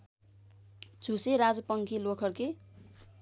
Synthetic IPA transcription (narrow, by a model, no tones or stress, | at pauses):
d͡zʱuseɾad͡zʌpʌŋkʰilokʰʌrke